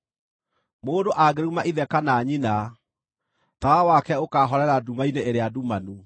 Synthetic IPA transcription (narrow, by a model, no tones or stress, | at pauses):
moːndoʔaɡeɾumaʔiðɛkanaɲina | t̪awawakɛokaɦɔɾɛɾadumaineeɾeadumanu